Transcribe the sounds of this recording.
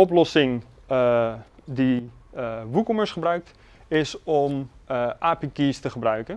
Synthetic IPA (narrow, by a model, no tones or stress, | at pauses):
ɔplɔsɪŋ | di | ʋukɔməɹsχəbrœɥk̚t | ɪsɔmʔaːpikiːstəχəbrœɥkən